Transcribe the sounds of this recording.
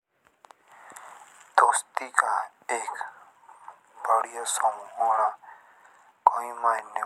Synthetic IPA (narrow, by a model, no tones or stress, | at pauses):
d̪oːst̪iːkaː | eːk | baːɽijoːsaːmũːɦoːɽaː | koːĩːmaːinɪ